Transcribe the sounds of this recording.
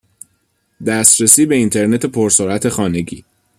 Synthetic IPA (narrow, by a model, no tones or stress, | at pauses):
d̪æst̪ɾesiːbe̞int̪ʰe̞ɾne̞t̪ʰe̞pʰoɾsoɾæt̪ʰe̞xɒːne̞ɟḭː